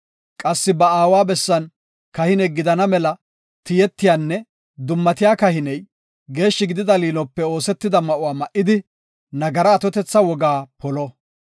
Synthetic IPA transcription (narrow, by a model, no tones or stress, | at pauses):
kʼɐsːɪbɐaːwaːbɛsːɐn | kɐhɪnɛjɡɪd̪ɐnɐmɛlɐ | t̪ɪjɛt̪ːɪjaːnːɛ | d̪ʊmːɐt̪ɪjaːkɐhɪnɛj | ɡe̞ːʃːɪɡɪd̪ɪd̪ɐliːnɔpːɛo̞ːsɛt̪ːɪd̪ɐmɐʔʊwaːmɐʔɪd̪ɪ | nɐɡɐɾɐːt̪ɔt̪ɛt͡sːɐwɔɡaːpɔlɔ